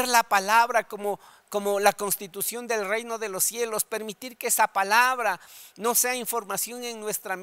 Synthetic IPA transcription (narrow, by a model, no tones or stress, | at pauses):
ɾlapalaβɾakomo | komolakonst̪it̪usjo̞nd̪e̞lrejno̞ðelosːjelospe̞ɾmit̪iɾkeesapalaβɾanoseaiɱfo̞ɾmasjo̞neŋnwe̞st̪ɾam